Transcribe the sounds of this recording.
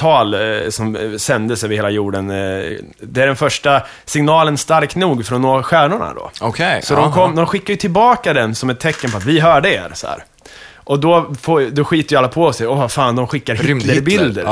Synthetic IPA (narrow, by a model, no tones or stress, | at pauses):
t̪ʰɑːlsɔmsɛnd̪əsœːvəɾheːlajuːɖən | d̪ɛæɖɛnfœʂʈa | sɪŋnɑːlənst̪aɾknuːɡfɾɔnːoːɾaɧæːɳʊɳa̰d̪ɔ̰ɔkʰɛjsɔd̪ɔmkʰɔmːd̪ɔmɧɪkːajɵt̪ʰɪlbɑːkad̪ɛnsɔmɛt̪ʰːɛkːənpʰɔat̪vɪɦœːɖəḛːɾsɔ̰hæ̰ːɾ | ʔɔd̪ɔfoːd̪ɔɧiːt̪əɾjʏalːapʰɔɔsɛɔvafaːnd̪ɔmɧɪkːaɾh̪əɾəbɪld̪ə̰ɾ